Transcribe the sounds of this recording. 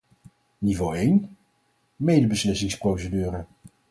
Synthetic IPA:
nivowejn | mejdəbəslɪsɪŋsprowsədyːɾə

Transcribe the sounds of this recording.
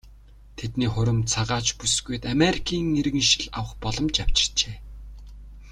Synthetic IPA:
t̪ʰet̪niːχʊɾə̆mt͡sʰaʁaːt͡ɕpusɡuj̆t̪ameɾikʰiːŋeɾɣɘ̆ŋʃĭ̥ɮawə̆χpɔɮɞ̆mt͡ɕaw̥t͡ɕɪ̥̆rt͡ɕeː

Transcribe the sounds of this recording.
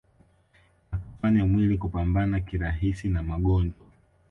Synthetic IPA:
aku̥faɲamwilikupambanakiɾaɦisinamaɠɔnd͡ʒɔ

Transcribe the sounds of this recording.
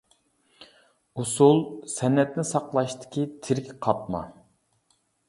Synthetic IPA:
usulˠsɛnːɛt̪̚nɪsɑqlˠɑʃt̪ʰɪ̥kʲʰit̪ʰɪɾkʲqʰɑp̚mɑ̰

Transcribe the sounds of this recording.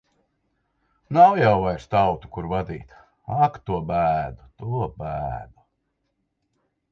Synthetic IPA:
nawjawvajɾst̪awt̪u̥kuɾvad̪ḭːt̪ | akt̪uɔbæːd̪ut̪uɔbæːd̪u

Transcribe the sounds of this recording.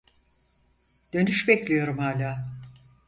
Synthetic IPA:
d̪̥ø̞nyʃbeclʲijo̞ɾumhaːlʲaː

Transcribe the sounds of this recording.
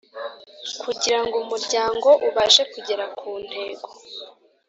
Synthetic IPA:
kʰuɟiɾaŋɡumuɾɟaːŋɡo̞ʔuβaʒe̞kuɟe̞ɾakʰuːn̥he̞ːɡoo

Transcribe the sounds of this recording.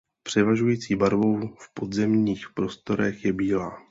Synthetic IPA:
pr̝̥ɛvaʒujiːt͡siːbaɾvo̞wfpo̞d̪zɛmɲiːxpɾo̞st̪o̞ɾɛxjɛbiːlaː

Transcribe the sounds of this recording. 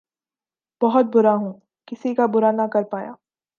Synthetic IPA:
b̥ɔɦʊt̪̚bʊɾaɦũ | kɪsikabʊɾanakɐɾpaːja̰ː

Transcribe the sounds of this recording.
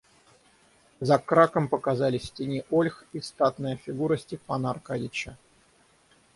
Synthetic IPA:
zɐkɾakəmpəkazalʲɪsʲtʲɪnʲiʔolʲxist̪at̪nəjəfʲɪɡuɾəsʲtʲɪfpanɐrkadʲɪt͡ɕə

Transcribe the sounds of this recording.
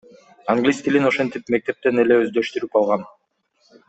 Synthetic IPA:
aŋɡlʲist̪ilʲino̞ʃe̞nt̪ipme̞k̚t̪e̞p̚t̪e̞ne̞le̞øzd̪ø̞ʃt̪yɾyp̚ɑlˠʁɑn

